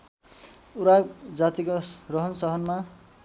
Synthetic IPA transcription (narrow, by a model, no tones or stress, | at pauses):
uɾaɡd͡zat̪ikorʌɦʌnsʌɦʌnma